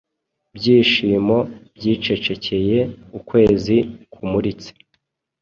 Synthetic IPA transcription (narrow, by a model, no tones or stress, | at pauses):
bɟiːʃiːmo̞bɟiːt͡ʃe̞t͡ʃe̞cʰe̞je̞ukwe̞ːzikumuɾit͡se̥